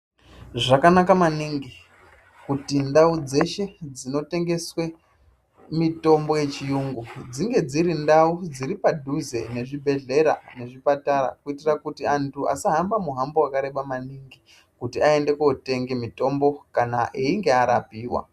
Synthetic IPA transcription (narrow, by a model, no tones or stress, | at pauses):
ʐakanakamaniŋɡi | kutindaud͡ze̞ʃe̞d͡zino̞te̞ŋɡe̞swe̞ | mito̞mbo̞je̞t͡ʃijuŋɡud͡ziŋɡe̞d͡ziɾindaud͡ziɾipadʱuze̞̰ne̞ʐibʱe̞ɮe̞ɾa̰ne̞ʐipataɾa̰kuitirakutiantʰua̰saɦambamuɦamboakaɾe̞ɓamaniŋɡi | kutiae̞nde̞kuote̞ŋɡemito̞mbo̞kanaʔeiŋɡe̞aɾa̰piːwa̰